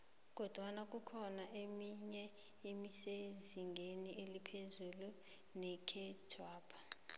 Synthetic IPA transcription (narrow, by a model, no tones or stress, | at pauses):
k̬ʼɔd̥ʱwanak̬ʼukʰɔnaʔemiɲɛ | imiseziŋɡʱeniʔelipʰezulu | nɛkʰɛdʰʱwaːpʰḁ